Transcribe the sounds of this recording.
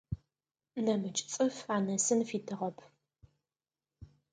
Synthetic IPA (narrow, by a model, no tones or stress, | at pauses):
nɐmɨt͡ʃʼt͡sʼɨfaːnɐsɨnfiːtʰɨʁɐpʰ